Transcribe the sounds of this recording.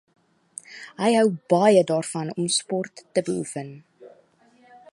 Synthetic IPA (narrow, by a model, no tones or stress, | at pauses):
ɦəjɦœwbɐjədɑːrfɐnɔmspɔrtːəbəufən